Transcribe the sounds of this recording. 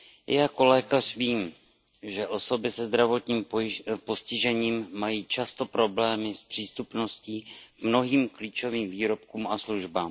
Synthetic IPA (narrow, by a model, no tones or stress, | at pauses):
jako̞lɛːkar̝viːm | ʒɛʔo̞so̞bɪsɛzd̪ɾavo̞t̪ɲiːmpo̞scɪʒɛɲiːmːajiːt͡ʃast̪o̞pɾo̞blɛːmɪspr̥iːst̪upno̞sciːkmno̞ɦiːmkliːt͡ʃo̞viːmviːɾo̞p̚kuːmasluʒbaːm